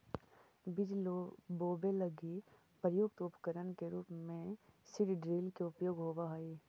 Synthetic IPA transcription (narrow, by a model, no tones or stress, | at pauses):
bɪd͡ʒboːbeləɡi | pɾəjoːɡt̪oːpkəɾənkeɾuːpmẽsɪɖɖɾiːlkeʊpjoːɡɦoːʋaɦaiː